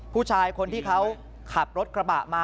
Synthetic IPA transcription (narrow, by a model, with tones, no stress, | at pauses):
pʰuː˥˩t͡ɕʰaː˧jkʰo˧nt̪ʰiː˥˩kʰa˦˥w | kʰa˨˩t̪̚ɾo˦˥t̪̚kɾa˧ba̰ː˨˩ʔmaː˧